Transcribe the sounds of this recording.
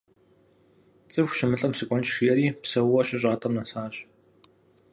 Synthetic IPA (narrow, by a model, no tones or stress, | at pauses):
t͡sʼɨfxʷʃɪmɨɬʼɐmsɨkʷʼɔnt͡ʃʂijɛɾiːpsɐwwɐɕɪɕʼaːtʼɐmnɐsaːɕ